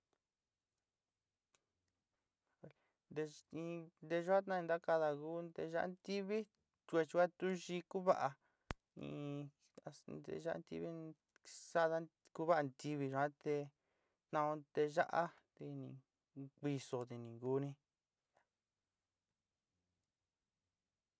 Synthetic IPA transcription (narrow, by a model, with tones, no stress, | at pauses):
nd̪e˧ĩ˧nd̪e˧ʒu˧˦ã˦t̪nã˦˧ĩ˧nd̪a˦ka˧ða˧ɣu˦d̪e˧ʒa̰˦ʔnt̪i˦βi˦ | t̪e˧t͡ʃu˧ka˦t̪u˦ʒi˧ku˦βa˦ʔa˧ | ḭ̃˧ | a˧d̪ḛ˧ʒa˦ʔa̰˦˧t̪ḭ˧˦βi˦ | sa˦˧ða˧˦ | ku˦βa˦ʔa˧nt̪i˧βi˧ʒu˧ã˦t̪e˧ | t̪nã˧õ˧t̪e˧ʒa̰˦ʔa˦ | t̪e˧nḭ̃˨ | ki˧so˨t̪e˧nĩ˨ɡu˧˦nĩ˧